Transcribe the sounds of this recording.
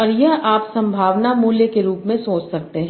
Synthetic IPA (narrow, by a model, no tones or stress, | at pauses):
ɐɾjəʔaːpsɐ̃mbʱaːʋnamuːljəkeɾuːpmẽsoːt͡ʃsɐk̚t̪eɦ